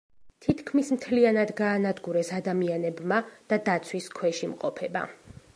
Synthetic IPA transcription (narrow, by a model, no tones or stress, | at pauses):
t̪ʰit̪ʰkʰmismt̪ʰlianad̪ɡaːnad̪ɡuɾɛsad̪amianɛbmad̪̥ad̪at̪sʰwiskʰwɛʃimqʼɔpʰɛba̰